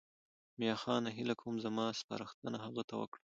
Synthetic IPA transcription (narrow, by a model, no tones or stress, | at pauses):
mjɑxɑnaɦɪlakʰawumzamɑspa̰ɾəxt̪ənaɦaɣat̪awə̰kɽa